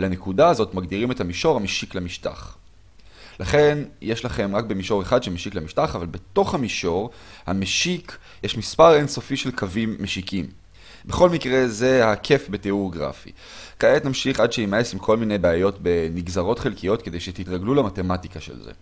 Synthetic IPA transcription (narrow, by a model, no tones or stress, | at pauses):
lene̞kudaːzo̞tmaɡdiʁimethamiʃo̞ʁameʃiklemiʃta̰χ | laχe̞njeʃlaχe̞mʁakbe̞miʃo̞ʁeχadʃemeʃiklemiʃtaχavalbe̞to̞χhamiʃo̞ʁ | hameʃik | jeʃmispaʁenso̞fiʃe̞lkavimːeʃikim | be̞χo̞lmikʁe̞ze̞hakʰe̞fbe̞teuʁɡʁa̰fḭ | kaet̪namʃiχadʃeimaesimkʰo̞lminejbeːjo̞tbe̞niɡzaʁo̞t̪χelkijo̞t̪ke̞d̪e̞jʃet̪itʁaɡlulemate̞matikaʃḛlzḛ